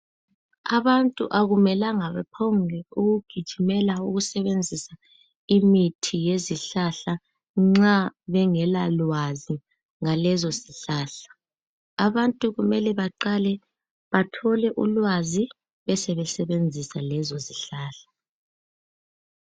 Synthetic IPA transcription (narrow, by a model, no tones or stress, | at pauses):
aβantʼṵʔaɣumɛlaŋaβɛpʰɔŋɛuɣuɡ̥ʱid̥ʒ̥ʱimɛlauɣusɛβend͡zʱisa | imitʰijeziɬaɬa | ŋ͡ǁaβɛŋɛlalwazi | ŋalɛzɔsiɬaːɬḁ | aβantʼuɣumɛlɛβaǃalɛ | βatʰɔlɛʔulwazi | βɛsɛβɛsɛβend͡zʱisalɛzɔziɬaːɬḁ